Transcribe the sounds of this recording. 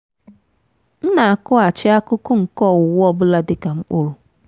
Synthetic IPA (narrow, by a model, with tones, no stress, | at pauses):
n̩˦na˨a˨kʊ˦a˨t͡ʃɪ˦a˦kʊ˦kʊ˦ŋ̩˨kɔ˦˨wʊ˨wɔ˦bʊ˦la˦dɪ˨ka˨ŋ͡m̩˦k͡pʊ˦ɾʊ˨